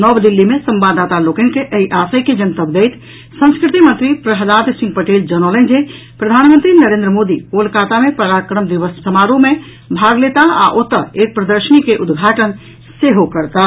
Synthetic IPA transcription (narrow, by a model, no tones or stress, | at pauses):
nəbd̪ilːimesəmbad̪at̪alokenkeʔəiʔasəjked͡ʒənt̪əbd̪ejt̪ʰ | sə̃nskɾit̪imənt̪ɾipɾəɦəd̪aɾd̪sĩŋɡpəʈeld͡ʒənələ̃nd͡ʒe | pɾəd̪ʱanmə̃nt̪ɾinəɾend̪ɾəmod̪iolkat̪amepəɾakɾəmd̪iʋəssəmaɾume | bʱaɡlet̪aa̰ʔot̪əek̚pɾəd̪əɾʃənikeʔud̪ɡʱaʈən | seɦokəɾt̪a